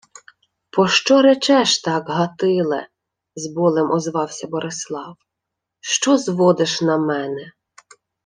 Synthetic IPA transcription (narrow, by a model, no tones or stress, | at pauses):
pɔʃt͡ʃɔɾɛt͡ʃɛʃt̪ɑɡɦɐt̪ɪlˠɛ̰ | zbɔlˠɪmʔɔzʋɑwsʲɐbɔɾʔeslˠɑw | ʃt͡ʃɔzʋɔd̪ɪʃnɐmɛnɛ